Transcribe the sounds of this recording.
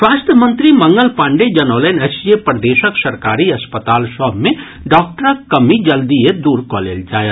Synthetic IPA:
swaːst̪əmə̃nt̪ɾimɐ̃ŋɡəlpãːɳɖed͡ʒɐnoːlenɛsijepɾəd̪eːʃəksɐɾkaːɾiɐspət̪aːlsɔbʱmẽ | ɖɔːk̚ʈəɾəkːɐmid͡ʒəld̪ijed̪uːɾkɔːlḛːld͡ʒaːje

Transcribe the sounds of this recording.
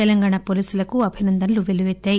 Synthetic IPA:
elɐŋɡaːɳapoliːsulɐkuɐbʱinɐnd̪ɐnluʋeliʋet͡ʃ̪ːaːji

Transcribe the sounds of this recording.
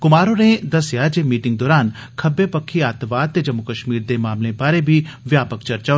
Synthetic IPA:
kʊmaːɾõnẽd̪ɐsjaːd͡ʒemiːʈɪ̃ŋɡ̚d̪ɔːɾaːn | kʰɐbepɐkʰːiaːt̪ʋaːd̪̚t̪ed͡ʒɐmːukəʃmiːɾd̪emaːmlẽbaːɾebʱiʋjaːpəkt͡ʃɐɾt͡ʃa

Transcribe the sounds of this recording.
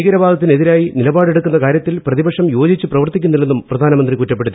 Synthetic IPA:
iɡɐɾɐbaːd̪ʱɐt̪ːine̞ðiɾaːjinilɐbaːɽeɽukːunːɐkaːɾjɐt̪ːilprɐðibɐkʂɐmjo̞ːd͡ʑit͡ɕːɨprɐʋɐrt̪ikʲːunːɐlenːumprɐd̪ʱaːnɐmɐnd̪rikutːɐpːe̞ɽut̪ːi

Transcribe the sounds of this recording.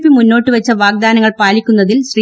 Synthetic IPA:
pːɨmunːo̞ːʈːɨʋɐt͡ɕːɐʋaːɡ̚d̪aːnɐŋːɐɭpaːlikʲːunːɐðilɕri

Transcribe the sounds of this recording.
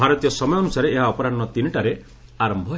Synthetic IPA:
aɾɔt̪ijɔsɔmɔjɔnusaɾeːɦaɔpɔɾaɖːɔt̪inʈaɾe | aɾɔmbʱɔ

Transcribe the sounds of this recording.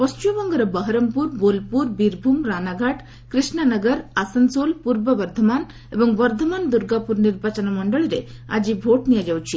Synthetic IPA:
pɔst͡ʃubɔŋɡəɾɐbəɦɾəmpuɾbolpuɾbiɾbʱumɾanaɡʱaʈ | kɾisɳanəɡəɾasənsolpuɾbəbəɾd̪ʱəman | ebɔŋbɐɾd̪ʱəmand̪uɾɡapuɾniɾbʱat͡ʃɔnamɔɳɖəɭiɾea̰d͡ʒibʱoʈnijad͡ʒawt͡ʃʰi

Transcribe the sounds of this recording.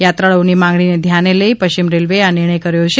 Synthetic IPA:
jat̪ɾaɭonimãŋɡɭined̪ʱjaneləipəʃt͡ʃimɾelʋeanɪɾɳ̃əjkəɾjot͡ʃʰe

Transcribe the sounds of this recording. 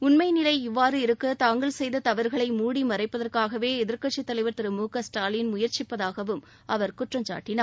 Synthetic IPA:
ʊnmɐɪnɪlɐɪɪʋːaːɾɯɪɾɯkːɯt̪aːŋɡɐɭsɛjðɐt̪ɐʋɐɾɣɐɭɐɪmuːɽimɐrɐɪpːɐðɐrkaːɣɐʋeːɪðɪɾkɐʈt͡ʃːit̪ːɐlɐɪʋɐɾt̪ːɪɾɯmuːkɐsʈaːlɪnmʊjɐɾt͡ʃɪpːɐðaːɣɐʋɯm | ʔɐʋɐɾkʊʈrɐmt͡ʃa̰ːʈːɪnaː

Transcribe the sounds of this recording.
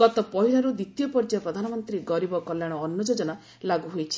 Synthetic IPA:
ɡ̥ɔt̪ɔpɔɦiɭɔɾud̪it̪ijɔpɔɾd͡ʒapɾɔd̪ʱanɔmɔnt̪ɾiɡɔɾibɔkɔljaɽ̃ɔːnːɔd͡ʒod͡ʒɔna | laɡuɦojt͡ʃʰi̥

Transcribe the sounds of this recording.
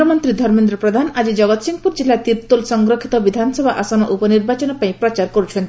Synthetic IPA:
ɔmɔnt̪ɾid̪ʱɔɾmind̪ɾɔpɾɔd̪ʱanad͡ʒid͡ʒɔɡɔt̪siŋpuɾd͡ʒilːat̪iɾt̪ulsɔŋɡɾokʰit̪ɔbid̪ʱanɔsɔbʱaʔasɔnɔʔupɔniɾbat͡ʃɔnɔpaĩpɾɔt͡ʃaɾkɔɾut͡ʃʰɔnt̪i

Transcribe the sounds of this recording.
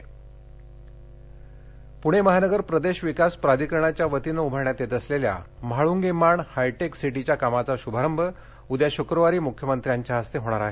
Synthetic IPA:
puɽ̃eməɦanəɡəɾpɾəd̪eɕʋikaspɾad̪ʱikəɾəɳ̃at͡ɕjaʋət̪iːnəubʱəɾɳjat̪et̪əslelja̰ | maɭuŋɡemaɳhajʈeksiʈ̬it͡ɕjakamat͡saɕubʱaɾəmbʱə | ud̪jaɕukɾəʋaɾiːmukʰjəmənt̪ɾjaɲt͡ɕjaɦəst̪eɦoɽ̃aɾaɦe

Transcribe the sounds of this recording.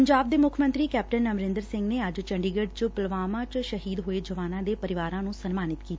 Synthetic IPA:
əɲd͡ʒaːb̚d̪eːmʊkʰmə̃nt̪ɾiːkɛːp̚ʈənːəmɾɪ̃nd̪əɾsɪ̃ŋɡneːəd͡ʒt͡ʃəɳɖiːɡəɖt͡ʃpəlʋaːmãːt͡ʃʃəɦiːd̪ɦoːeːd͡ʒəʋaːnãːd̪eːpəɾɪʋaːɾãːnũːsənmaːnɪt̪kiːt̪a

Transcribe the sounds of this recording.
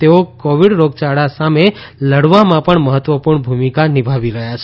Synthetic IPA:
t̪eokoʋiɽɾoɡt͡ʃaɽasameləɽʋamãpəɳməɦət̪ʋəpuɾɳbʱumikanibʱaʋiɾəɦjat͡ʃʰe

